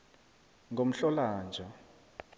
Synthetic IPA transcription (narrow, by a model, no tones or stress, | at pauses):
ŋʱom̩ɬɔlaːnd͡ʒʱa